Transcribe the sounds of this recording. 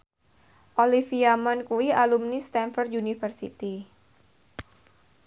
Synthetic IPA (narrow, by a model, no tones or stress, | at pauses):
ʔolifiamankuialumnist̪ɛnfɔrd̪unifərsḭt̪i